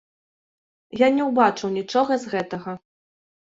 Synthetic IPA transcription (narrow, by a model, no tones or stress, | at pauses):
janʲɛwbat͡ʂɨwnʲit͡ʂɔɣɐzɣɛt̪ɐɣɐ